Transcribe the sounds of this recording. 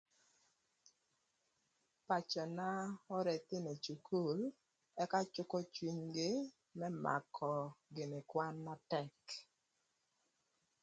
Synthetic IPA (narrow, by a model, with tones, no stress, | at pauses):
pa˨t͡ʃɔ˨na˦ɔ˦ɾɛ˨t̪ɪ˦ne˨t͡ʃu˨kʰu˦˨l | ɛ˦ka˦t͡ʃʊ˦kɔ˦t͡ʃwi˦ɲɡɪ˦ | mɛ˦ma̰˨kʰɔ˨ɡɪ˨ne˨kwa˦nːa˦tɛ˦k